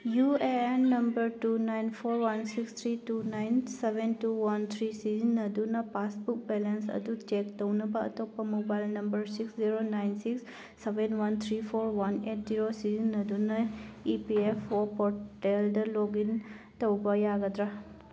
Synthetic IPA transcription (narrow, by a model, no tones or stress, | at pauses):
jueenːəmbəɾʈunajnfʰoɾʋənsikst̪ʰɾiʈunajnseʋenʈuʋɐnt̪ʰɾisizənːəd̪unəpasbuk̚bɛlənsə̰d̪ʱut̪t͡ʃekt̪əwnəbaə̰t̪opəmobajlnəmbəɾsiksziɾonajnsiksː | eʋenʋɐnt̪ʰɾifʰoɾʋɐneʈziɾosizənːəd̪ʱunəipiefopoʈelɖəloɡin | t̪əbajaɡəd̪ɾa